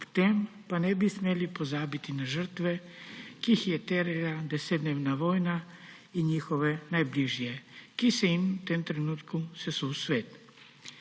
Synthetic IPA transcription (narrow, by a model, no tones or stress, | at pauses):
pt̪ɛmpanɛbismjɛlipozabit̪inaʒəɾt̪ʋɛ | kixjɛt̪ɛɾɛlad̪ɛsɛd̪neʋnaʋojna | iɲixɔʋɛnajbliʒijɛkisɛimt̪emt̪ɾɛnut̪kusɛsuusʋet̪